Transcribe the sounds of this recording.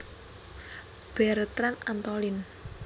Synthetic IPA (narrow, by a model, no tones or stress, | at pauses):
b̥ɛɾt̪ɾanant̪ɔlɪn